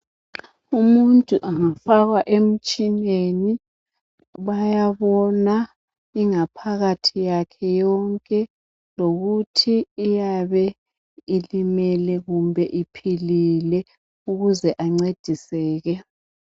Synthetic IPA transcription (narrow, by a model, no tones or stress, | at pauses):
umuntʼuʔaŋafaɣwaʔem̩t͡ʃʼineni | βajaβɔna | iŋapʰaɣatʰijakʰɛjɔŋkʼɛ | loɣutʰiːjaβɛ | ilimɛlɛɣumbʱɛʔipʰililɛ | uɣuzɛʔaŋ͡ǀed̥ʱisɛːɣɛ